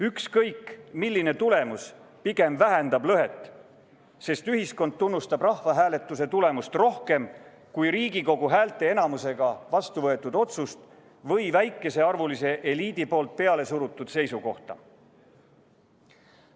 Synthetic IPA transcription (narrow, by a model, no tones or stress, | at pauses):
ykskɤjkːmilːine̞t̪ule̞mus | piɡ̥e̞mvæɦend̪̥ɑblɤɦe̞t̪ːˑ | se̞st̪yɦisko̞nd̪̥̚t̪unːust̪ɑbrɑhvɑɦæːle̞t̪ːˑuse̞t̪ule̞must̪ro̞hke̞m | kujɾiːɡiko̞ɡuɦæːlt̪ːˑe̞e̞nɑmuse̞ɡ̥ɑvɑst̪uvɤe̞t̪ːˑud̪̥o̞t̪sust̪ | vɤ̞jvæjkˑːe̞se̞ɑrvulise̞ʔeliːd̪̥ipo̞ːlt̪̚pe̞ɑle̞suɾut̪ˑːud̪̥se̞jsuko̞ht̪ɑ̰